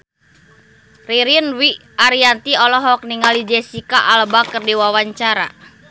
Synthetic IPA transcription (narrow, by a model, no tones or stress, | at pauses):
riɾinwi | aɾiant̪iɔlɔɦɔk̚niŋalid͡ʒɛsikaʔalbakərdiwawaɲt͡ʃaɾa̰